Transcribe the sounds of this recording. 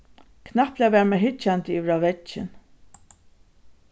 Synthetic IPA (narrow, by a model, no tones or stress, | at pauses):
kʰnahplɛaʋɛːɾmɛɦɪt͡ʃːant̪ɪiːʋɪɾaʋɛt͡ʃːɪ̰n